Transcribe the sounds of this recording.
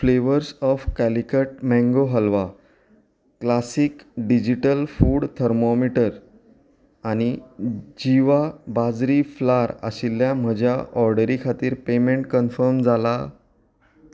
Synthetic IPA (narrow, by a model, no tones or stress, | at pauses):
fleʋəɾsɔfkælikəʈ̚mɛ̃ŋɡoɦəlʋa | klasiːkɖid͡ʑiʈəlfuːɽt̪ʰəɾmomiʈəɾ | añid͡ʑiʋabad͡zɾiflaɾa̰ɕilːjam̤əd͡ʑʱjaɔɾɖəɾikʰat̪iːɾpemeɳʈkənfəɾmd͡zala